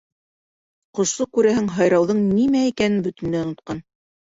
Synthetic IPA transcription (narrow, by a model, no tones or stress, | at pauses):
qŏʃlˠɤkʉɾæɦɘŋɦɑjɾɑwðɤɴnimæikænɘnbɵ̆t̪ɘ̆nd̪æŏnŏt̪̚qɑn